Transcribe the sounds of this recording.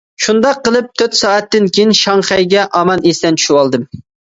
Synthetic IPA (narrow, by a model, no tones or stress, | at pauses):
ʃund̪ɑqːəlˠɨp̚t̪ʰøt̪sɑːɛt̪ːɪnkʲʰejinʃɑŋχɛjɡʲɛʔɑmɑnest̪ɛnt͡ʃʰy̥ʃiwɑlˠd̪ɨm